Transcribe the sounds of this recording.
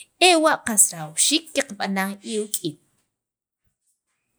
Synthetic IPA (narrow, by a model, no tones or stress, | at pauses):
ewaʔqasɾawʃiːkːeqaɓanaŋiwkʼiːn